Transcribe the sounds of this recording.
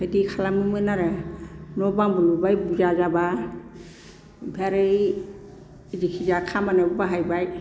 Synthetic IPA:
hɯdikʰalamɯmɯnaɾɯnɔbaŋbulubajbuzazaba | bʱaɾɯj | zikʰizakʰamanɯbabaɦajbaj

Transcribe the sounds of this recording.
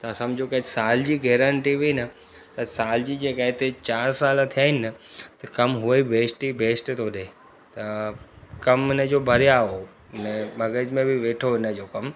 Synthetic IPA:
t̪ɐsɐ̃md͡ʑʱokɐsaːld͡ʑiːɡeːɾə̃ɳʈiʋiinɐ | t̪ɐsaːld͡ʑiːd͡ʑeːkaːɦɪt̪et͡ɕaːɾsaːlat̪ʰijaːɦɪnɪnət̪ɐkɐmɦʊibʱeːsʈibʱeːsʈt̪ʰoɗeː | t̪ɐ | kɐmɪnə̆d͡ʑoːbʱɐɾijaɦo | ɪnəbɐɡəd͡ʑmẽbɪʋeːʈʰoɪnə̆d͡ʑoːkɐm

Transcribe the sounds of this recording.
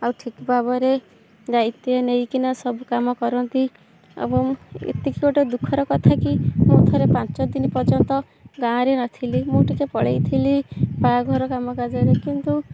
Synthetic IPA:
awʈʰikbabɔɾe | d͡ʒajt̪ienejkinasɔbukamɔkɔɾɔnt̪i | ḛbɔŋḛt̪ikikɔʈed̪ukʰːɔɾɔkɔt̪ʰakimũt̪ʰɔɾepant͡ʃɔd̪inipɔd͡ʒɔnt̪ɔ | ɡãɾenat̪ʰilimũʈikepɔɭejt̪ʰilipaɡʱɔɾɔkamɔɡad͡ʒɔɾekint̪u

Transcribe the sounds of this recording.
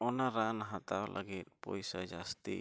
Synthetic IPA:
ɔnaɾanaɦat̪awlʔə̰ɡit̪̚pɔ̰jsad͡ʒast̪i

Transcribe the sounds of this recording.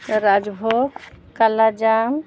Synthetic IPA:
ɾad͡ʒbʱobkalad͡ʒam

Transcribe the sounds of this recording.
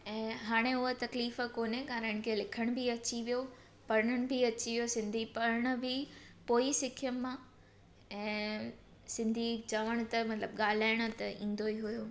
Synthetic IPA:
ɛ̃ːɦaːɽ̃eʊɦot̪ɐkliːfəkoːnekaːɾəɽ̃kʰeːlɪkʰəɽ̃bʱiɐt͡ɕiʋijo | pɐɾəɳəɽ̃̆bʱiɐt͡ɕiʋijosɪ̃nd̪ʱipɐɾəɽ̃ə̆bʱɪpoːisɪkʰjəmːã | ɛ̃ː | sɪ̃nd̪ʱid͡ʑaːʋəɽ̃ʊt̪ɐmɐt̪ləbɠaːl̤aːɪɽ̃ʊ̆t̪ɐĩːn̆d̪oiɦujoː

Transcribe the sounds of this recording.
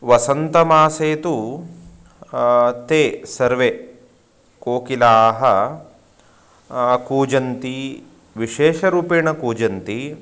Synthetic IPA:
ʋɐsɐnt̪ɐmaːseːt̪u | t̪eːsɐɾʋe | koːkilaːɦɐ | kuːd͡ʒɐnt̪i | ʋiʃeːʃɐɾuːpeːɳɐkuːd͡ʒɐnt̪i

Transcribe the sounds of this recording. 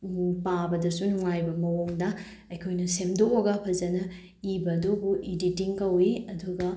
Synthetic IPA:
pabɐdɐsunuŋajbɐmɐwoŋdɐ | ɐjkʰojnɐsemdokoɡɐpʰɐzɐnɐ | ibɐːdobuʔiditiŋkɐwiɐduɡɐ

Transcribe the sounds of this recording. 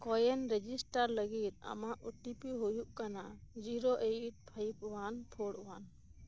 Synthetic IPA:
kɔjɛnɾɛd͡ʒisʈaɾləɡit̪̚a̰maʔuʈipiɦujuʔkanad͡ʒiɾoʔet̚pʰəjpwanpʰoɽwan

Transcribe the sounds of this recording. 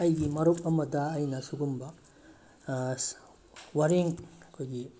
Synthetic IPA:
ɐjɡimɐɾupɐmɐdɐːjnɐsuɡumbɐ | wɐɾiŋɐkʰojɡi

